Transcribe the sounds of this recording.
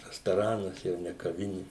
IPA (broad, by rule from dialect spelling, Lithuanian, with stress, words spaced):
rɐstoːˈrɑːnɐs jɛʊ nʲɛ kɐˈʋʲɪnʲɪ